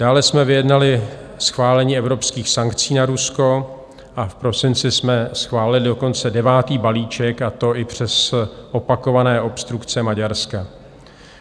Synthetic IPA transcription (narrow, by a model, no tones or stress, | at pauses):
d̥aːlɛsmɛvɪjɛdnalɪsxvaːlɛɲiːɛvɾopskiːxsaŋkt͡siːnaɾusko̞ | ʔafpɾo̞sɪnt͡sɪsmɛsxvaːlɪlɪdo̞ko̞nt͡sɛdɛvaːt̪iːbaliːt͡ʃɛkat̪o̞ʔɪpr̝̥ɛsʔopako̞vanɛːʔo̞pst̪ɾukt͡sɛmaɟaɾska